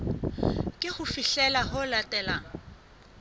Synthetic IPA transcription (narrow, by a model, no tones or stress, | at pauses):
kʼɪχʊfiɬɛlahʊlatʼɛːlaŋ̩